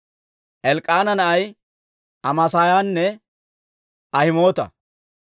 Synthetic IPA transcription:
ʔɛlkʼːaːnɐnɐʔɐj | ʔɐmɐsaːjaːnːɛ | ʔɐhɪmo̞ːt̪ɐ̰

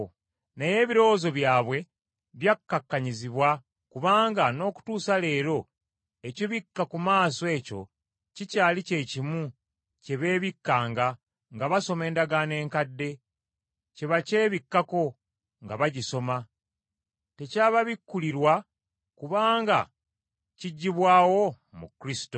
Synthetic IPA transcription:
neje̞ːβiɾo̞ːzo̞βjaːβwe̞ | βjakːakːaɲiziβwa | kuβaːŋɡano̞ːku̥tuːsale̞ːɾo̞ | ecoβikːakumaːsoe̞ːco̞̰ | cicaːlice̞cimu | ce̞βe̞ːβikːaːŋɡa | ŋɡaβaso̞me̞ːndaɡane̞ːŋkadːe̞ | ce̞βace̞ːβikːako̞ | ŋɡaβaɟiso̞ma | te̞caːβaβikːuliɾwa | kuβaːŋɡa̰ | ciɟːiβwaːwo̞ | mṵkɾisi̥to

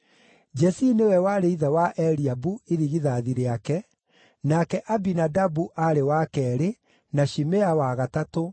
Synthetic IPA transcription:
d͡ʒɛsinewɛwaɾeiðawaʔɛɾiabueɾiɣiðaðiɾeakɛ | nakɛʔabinadabuʔaɾewakɛɾe | naʃimeawaɣatato

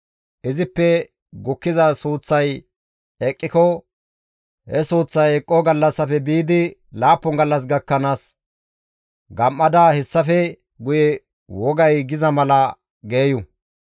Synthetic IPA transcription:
ʔɪzɪpːɛ | ɡʊkːɪzɐsuːt͡sːɐj | ɛkʼːɪkɔ | hɛsuːt͡sːɐjɛkʼːɔɡɐlːɐsːɐfɛbiːd̪ɪlaːpːɔŋɡɐlːɐs̬ɡɐkːɐnaːs | ɡɐmːɐd̪aːhɛsːɐfɛ | ɡʊjɛ | wɔɡɐjɡɪzɐmɐlɐ | ɡe̞ːjʊ

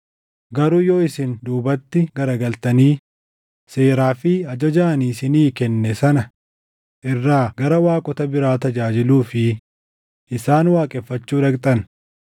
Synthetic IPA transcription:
ɡɐɾuːjoːɪsɪnd̪uːbɐt̪ːɪɡɐɾɐɡɐlt̪ɐniː | seːɾaːfɪɐd͡ʒɐd͡ʒɐʔɐniːsɪniːkɛnːɛsɐnɐ | ʔɪrːaːɡɐɾɐwaːkʼɔt̪ɐbɪɾaːt̪ɐd͡ʒaːd͡ʒɪluːfɪ | ʔɪsaːnwaːkʼɛfːɐt͡ʃːuːd̪ɐkt̪ʼɐn

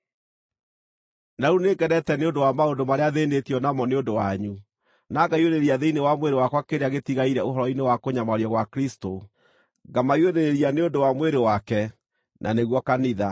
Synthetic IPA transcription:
naɾunekɛɾɛtɛneondowamaondomaɾeaðeːnetiɔnamɔneondowaɲu | naɡaioɾeɾiaðeinewamweɾewakwakeɾeaɣetiɣaiɾɛoɦɔɾɔinewakoɲamaɾiɔɣwakɾisto | ɡamaioɾeɾeɾianeondowamweɾewakɛ | nʔa̰neɣwɔkaniða

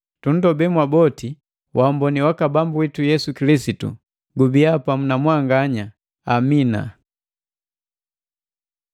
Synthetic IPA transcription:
tun̩dɔbɛmwabɔti | wʔambɔniwakabambuwitujɛsukilisitṵ | ɡubiapamunamwaŋɡaɲa | amina̰

